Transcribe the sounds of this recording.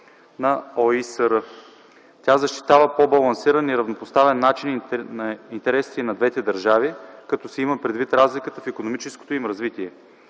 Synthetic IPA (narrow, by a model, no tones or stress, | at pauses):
nɐɔisəɾə | t̪ʲazɐʃt̪i̥t̪avəpobɐlˠɐnsiɾəniɾɐvnopost̪avɛnːat͡ʃinnɐint̪ɛɾɛsinɐd̪vɛt̪ɛd̪ɐɾʒavikɐt̪ɔsɛiməpɾɛd̪vit̪ɾazlikət̪əfikonomit͡ʃɛsko̥t̪oimɾɐzvit̪iɛ